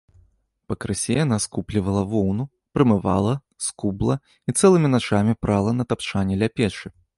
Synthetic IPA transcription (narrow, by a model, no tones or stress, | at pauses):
pɐkɾɨsʲɛjan̪askuplʲivɐlˠɐvɔwnu | pɾɨmɨva̰lˠɐ | skublˠɐ | it̪sɛlˠɨmʲinat͡ʂamʲipɾʔalˠɐnɐt̪apt͡ʂanʲːɛlʲapʲɛt͡ʂɨ